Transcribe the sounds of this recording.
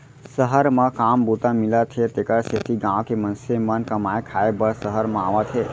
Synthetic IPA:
səɦəɾmãkambut̪amilat̪ʰet̪ekəɽset̪ʰiɡãʋkemənsemənkəmaekʰaebəɭsəɦəɾmãaʋat̪ʰe

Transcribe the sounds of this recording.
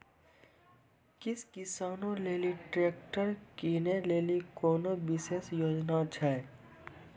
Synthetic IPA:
kɪskɪsaːnõleːliʈɾeːkʈəɾkineleːlikoːnobɪseːsjoːd͡ʒnat͡ʃʰɛ

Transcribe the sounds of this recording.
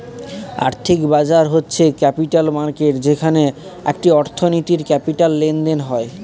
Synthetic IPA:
a̰ɾt̪ʰikbad͡ʑaɾɦotːɕʰekɛpiʈalmaɾkeʈd͡ʑekʰaneḛk̚ʈiɔɾt̪ʰonit̪iɾkɛpiʈalːend̪enɦɔe

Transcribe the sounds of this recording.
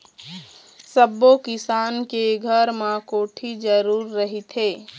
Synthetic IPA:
səbːokɪsaːnkeɡʱəɾmãkoːʈʰid͡ʒəɾuːɾːəɦit̪ʰɦeː

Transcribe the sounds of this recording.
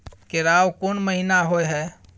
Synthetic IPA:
kɪɾaːwkonməɦinaɦoeɦɛː

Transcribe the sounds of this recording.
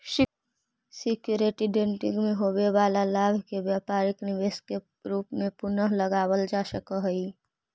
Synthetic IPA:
ʃɪ | sɪkjuːɾeʈiɖẽɳʈɪ̰̃ŋɡmẽɦoːwewaːlalaːbʱkebjaːpaːɾɪknɪʋeːske | ɾuːpmẽpʊnəɦləɡaːwəld͡ʒaːʃəkəɦəi

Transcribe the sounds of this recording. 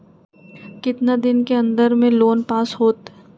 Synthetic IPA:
kɪt̪nad̪ɪnkeɐ̃nd̪əɾmẽloːnpaːsɦoːt̪

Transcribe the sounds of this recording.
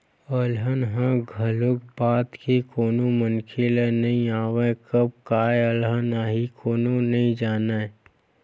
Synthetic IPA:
əlɦənɦãɡʱəlʊk̚baːt̪kikoːnõmənkʰelenɐɦĩaːwekəb̚kaːeəlɦənaɦikoːnonɐĩd͡ʒaːna

